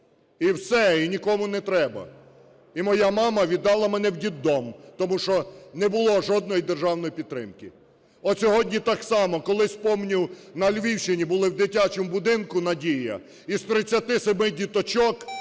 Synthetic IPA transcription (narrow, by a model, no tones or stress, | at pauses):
iwsɛinʲikɔmʊnɛt̪ɾɛbɐ̰ | imɔjamɑmɐʋʲid̪ːɑlˠɐmɛnɛwdʲid̪ːɔmt̪ɔmuʃɔnɛbʊlˠɔʒɔd̪̚nɔjid̪erʒɑwn̪ɔjipʲid̪̚t̪ːɾɪ̰mkɪ | ɔsʲɔɦɔdʲnʲit̪ɑksɑmɔkɔlˠɪspɔmnʲiwnɐlʲʋʲiwʃɪnʲibʊlˠɪwd̪ɪtʲat͡ʃemʊbʊd̪ɪnkʊnɐdʲijɐ̰ | ist̪ɾɪt͡sʲːɐt̪ɪsemɪdʲit̪ɔt͡ʃɔk